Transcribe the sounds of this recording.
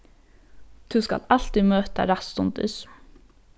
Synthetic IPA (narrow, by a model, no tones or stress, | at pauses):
d̪̥ʉːskɑ̰lɑlt̪imøːt̪ə̰ɾɑst̪ʊnd̪ʉ̰s